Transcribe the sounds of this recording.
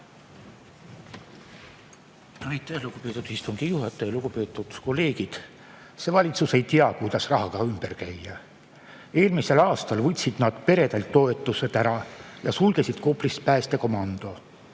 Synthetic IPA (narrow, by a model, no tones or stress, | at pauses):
nɑjt̪ːˑæhluɡ̥upeːt̪ːˑud̪ist̪uŋɡ̥ijuɦɑt̪ːˑejɑluɡ̥upe̞ːt̪ːˑud̪̥ko̞lːe̞ːɡ̥id̪̥ | se̞ːvɑlʲit̪suse̞jt̪iɑkujd̪ɑsrɑɦɑkɑymb̥erkæjːɑ | e̞ːlmise̞lɑːst̪ɑlvɤt̪ʲsid̪̥nɑd̪̥pe̞ɾe̞d̪ɑlt̪ːo̞e̞t̪ːˑuset̪æɾɑjɑsulɡ̥e̞sid̪̥ko̞pˑlist̪pæːst̪e̞ko̞mɑnd̪̥o̞